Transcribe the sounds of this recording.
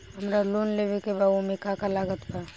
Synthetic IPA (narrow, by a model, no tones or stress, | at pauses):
ɦəmɾaloːnleʋekebaomekakalaːɡət̪pa